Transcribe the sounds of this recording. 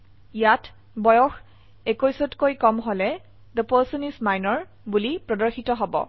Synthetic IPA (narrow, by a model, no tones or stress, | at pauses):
ijat | bɔjɔx | ekojsɔtkojkɔmɦolɛ | d̪əpɔsɔnismajnɔɹ | bulipɹɔdɔɹxitɔɦɔbɔ̰